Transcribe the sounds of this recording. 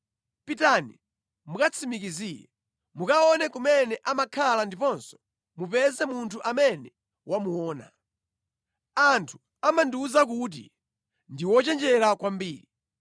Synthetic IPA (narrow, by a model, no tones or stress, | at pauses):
pitani | mukat͡sʰimik̬izijɛ̰ | mukaɔnɛkumɛnɛʔamakʰalandipɔnsɔ̥ | mupɛzɛmuntʰuʔamɛnɛ | wamuɔːna̰ | antʰu̥ | amanduːzak̬ut̬ḭ | ndiwɔt͡ʃɛnd͡ʒɛɾakwambiːɾi